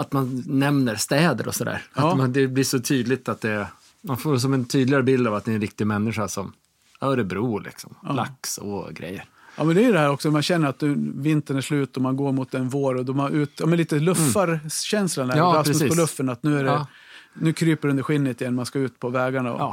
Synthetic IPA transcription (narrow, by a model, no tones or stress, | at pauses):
at̪manːɛmnəɾst̪ɛːd̪ə̰ɾʔɔ̰sɔd̪æ̰ːɾamand̪ɛbliːʂɔt̪ʰyːd̪lɪt̪at̪̚d̪ɛ | manfoːɾs̬ɔmɛnt̪ʰyːd̪lɪɡaɾəbɪld̪avat̪̚d̪ɛnɾɪk̚t̪ɪmɛnːɪɧaʂɔm | œːɾɛbɾuːlʔɪ̰ksɔmla̰ksɔ̰ɡɾɛ̰jːə̰ɾ | ɑ̰ːmɛnd̪ɛæɾjəd̪ɛhæːɾɔksɔmanɕɛnːəɾat̪nʉ̟ːvɪnt̪ənæʂlʉ̟ːt̪ɔmanɡoːɾmʊt̪ːɛnvoːɾɔd̪ɔmanʉːt̪jɑːmɛnliːt̪əlɵfːaɾɕɛnslanæɑːapɾɛsiːɔlɵfːənat̪nʉ̟ːæɾɛ | nʉ̟ːkʰɾyːpəɖɵnd̪ɾɧɪnːət̪ɪjɛnːmanskaʉ̟ːt̪pʰɔvɛːɡaɳaɔ̰ɑ̰ː